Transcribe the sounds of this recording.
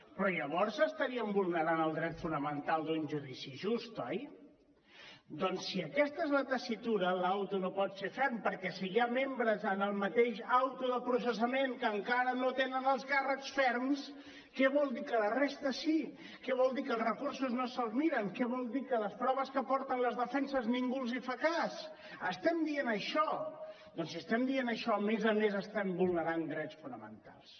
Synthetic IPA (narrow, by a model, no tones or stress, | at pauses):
pɾɔʎəβ̞ɔɾsəst̪əɾiəmbulˠnəɾanəlˠd̪ɾɛt̪funəmənt̪alˠd̪unʒuðisiʒust̪ɔj | d̪ɔnsːiəkɛst̪əezlət̪əsit̪uɾəlawt̪unopɔt̪sefɛɾmpəɾkɛsiiamembɾəzənəlˠmət̪eʃawt̪uðəpɾus̬əs̬əmeŋkəŋkaɾənot̪enənəlˠskarəksfɛɾms | kɛβɔlˠd̪ikələrest̪əsi | kɛβɔlˠd̪ikəlˠzrəkuɾsuznosəlˠzmiɾəŋkɛβɔlˠd̪ikələspɾɔβəskəpɔɾt̪ənləzðəfɛnsəzniŋɡulˠzifəkas | əst̪ɛmd̪ienəʃɔ | d̪ɔnsiəst̪ɛmd̪ienəʃɔmezəmezəst̪ɛmbulˠnəɾand̪ɾɛtt͡sfunəmə̰nt̪a̰lˠs